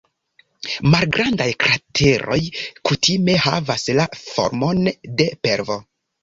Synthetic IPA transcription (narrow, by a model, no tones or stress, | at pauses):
malɡɾandajkɾatʰe̞ɾo̞̰jkutʰime̞ha̰vaslafo̞̰ɾmo̞nde̞pe̞ɾvo̞